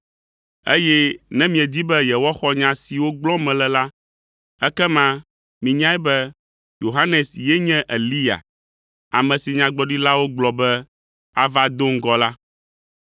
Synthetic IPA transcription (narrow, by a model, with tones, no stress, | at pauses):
ḛ˦jɛ˦nɛ̃˦mĩ˨ɛ˨d̪i˦bɛ˦jɛ˨wɔ˦xɔ˦ɲã˨si˨wo˦ɡ͡blɔ˦mɛ̃˨lɛ˨la˦ | ɛ˦kɛ˦mã˦ | mĩ˨ɲã˦ɛ˦bɛ˦ | jo˨ɦa˦nɛ˨sjɛ˦ɲɛ̃˦ʔe˨li˦ja̰˨ | a˨mɛ̃˨si˨ɲã˨ɡ͡bɔ˨ɖi˦la˦wo˦ɡ͡blɔ˨bɛ˦ | a˦va˦d̪o˦ŋ̩˦ɡɔ˨la˦